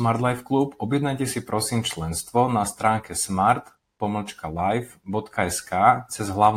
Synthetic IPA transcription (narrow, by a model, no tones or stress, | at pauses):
maɾd̪lajfkluːpɔbjɛd̪najcɛsipɾɔsiːmt͡ʃlɛnst̪ʋɔnast̪ɾaːŋkɛsmaɾt̪ | pɔml̩t͡ʃkalajfbɔt̪kaɛskaːt͡sɛzɦlaʊn